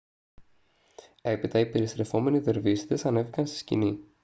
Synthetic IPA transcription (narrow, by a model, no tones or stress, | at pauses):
e̞pit̪ɐipe̞ɾist̪ɾe̞fo̞me̞niðe̞ɾvisi̥t̪e̞sɐne̞vikɐnst̪i̥scḭni